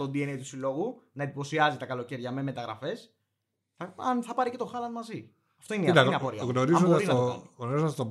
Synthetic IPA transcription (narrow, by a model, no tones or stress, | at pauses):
ond̪ienejt̪u̥silo̞ɣunɐed̪ipo̞siɐzit̪ɐkɐlo̞ceɾʝɐmeme̞t̪ɐɣɾɐ̰fe̞s | θɐɐnθɐpɐɾice̞t̪o̞xɐlɐnmɐzi | ɐft̪o̞ineiɐneɐpoɾiɐɣnoɾizoɐsinɐoɣnoɾizoɐst̪o